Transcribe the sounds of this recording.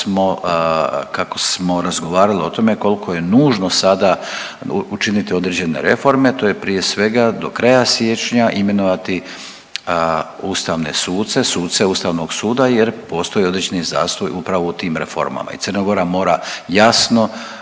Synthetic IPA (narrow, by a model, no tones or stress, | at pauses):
mo̞ | kako̞smo̞ɾazɡo̞ʋaːɾalio̞t̪o̞me̞ko̞lkʰoje̞nuːʒnosad̪a | ut͡ʃinit̪io̞d̪ɾed͡ʑe̞ne̞̰ɾe̞fo̞ɾme̞t̪o̞ːjepɾije̞sʋe̞ɡad̪o̞kɾajasje̞t͡ʃɲaʔime̞noʋat̪i | ust̪aʋne̞̰suːt̪t̪se̞suːt̪t̪seust̪aʋno̞ɡsuːd̪ajeɾpo̞ːst̪o̞jio̞d̪ɾed͡ʑeniza̰ːst̪ojupɾaʋo̞ut̪iːmɾe̞̰fo̞̰ɾma̰ma̰ḭt̪sərnaɡo̞ɾamo̞ːɾajasno̞